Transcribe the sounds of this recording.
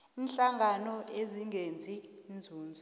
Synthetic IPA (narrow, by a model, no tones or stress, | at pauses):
inɬaŋʱanɔeziŋʱend͡zʱind͡zʱuːnd͡zʱɔ